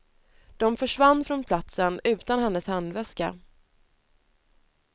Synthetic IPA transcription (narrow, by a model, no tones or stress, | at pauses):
d̪̥ɔmfœʂvanːfɾɔnpʰlat̪sənʉ̟ːt̪anhɛnːəshand̪vɛska̰